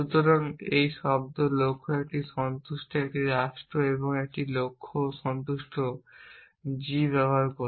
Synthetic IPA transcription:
ʃut̪oɾaŋejʃɔb̚d̪olokʰːoɛk̚ʈiʃɔnt̪uʃʈoek̚ʈiɾaʃʈɾoeβoŋek̚ʈilokʰːoʃɔnt̪uʃʈo | d͡ʑiβɛboɦaɾko

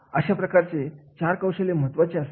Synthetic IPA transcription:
əɕapɾəkaɾt͡set͡ɕaɾkəwɕəleməɦət̪ʋat͡ɕeas

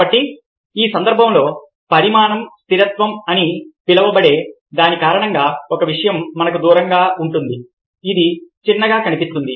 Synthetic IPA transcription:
ɐʈːi | iːsɐnd̪ɐɾbʱɐmlo̞ː | pɐɾimaːnɐmst̪ʰiɾɐt̪ʋɐmɐnipilɐʋɐbɐɽe̞ː | d̪aːnikaːɾɐɳɐŋɡaːɔkɐʋiʂɐjɐmːɐnɐkud̪uːɾɐŋɡaːʔuɳʈund̪iː | d̪it͡ʃinːɐɡaːkɐnipist̪und̪i

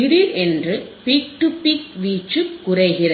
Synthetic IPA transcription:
ɪɾiʔɛndrɯpik̚ʈɯpik̚ʋiːt͡ʃːɯːʊrɐɪɣɪrɐ

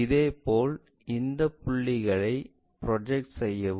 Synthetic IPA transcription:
ɪðeːpoːl | ɪnd̪ɐpːʊɭːɪɣɐɭɐɪ | pɪɾɔd͡ʒɛk̚ʈsɛjːɐʋ

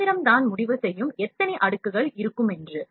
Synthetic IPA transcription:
ɪɾɐmt̪aːnmʊɽɪʋɐsɛjːɯmɛt̪ːɐnɛʔɐɽɯkːɯɣɐɭɪɾɯkːɯmɛndrɯ

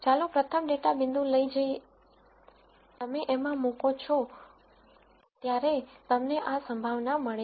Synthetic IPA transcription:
t͡ʃalopɾət̪ʰəmɖeʈabɪ̃nd̪ʱũləid͡ʒəj | t̪əmeʔemãmũkot͡ʃʰo | t̪jaɾet̪əmneʔasəmbʱaʋnaməɭe

